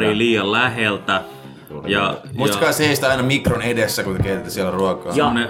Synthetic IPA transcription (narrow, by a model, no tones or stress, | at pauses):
riliːɑllæhelt̪æ | jɑmuisɑt̪kɑisheist̪ɑinɑmikronedesːækut̪ekeit̪et̪ːæ̥siælæruɑkɑ̰ːne